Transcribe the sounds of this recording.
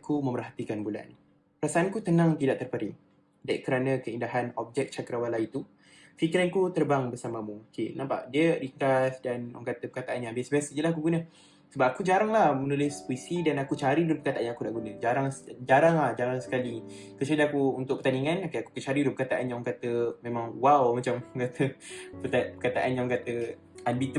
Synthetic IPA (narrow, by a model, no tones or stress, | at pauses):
akumə̃mərɦat̪ikanbula̰n | ɾasaʔankut̪ənãŋt̪idaʔt̪ərpəɾi | daiʔkəɾanəkəindaɦanɔb̚d͡ʒɛk̚t͡ʃakəɾawalait̪u | fikɾankut̪ərbaŋbərsamamukenampa̰ʔdiədikəɾasdanaŋkat̪əpəkat̪aʔanɲãbiasəbiasəjəlahakuɡunə | səbap̚akud͡ʒaɾaŋlahmənulɪspuisidanakut͡ʃaɾidʊnpəkat̪aʔanɲãkunaʔɡunəd͡ʒaɾaŋsd͡ʒaɾaŋlahd͡ʒaɾaŋsə̥kali | kət͡ʃadaakuunt̪ʊʔ̚pərt̪aniŋanokaaku̥kət͡ʃaɾidʊnpəkat̪aʔanɲaŋkat̪əmẽmãŋwawmat͡ʃamŋkat̪ʰəpət̪apəkat̪aʔanɲaɔŋkat̪ə | anbit̪